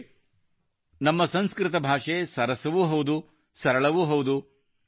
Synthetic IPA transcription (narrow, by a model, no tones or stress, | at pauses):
nɐmːɐsɐnskɾɪt̪ɐbʱaːʂesɐɾɐsɐʋuɦowd̪u | sɐɾɐɭɐʋuɦowd̪u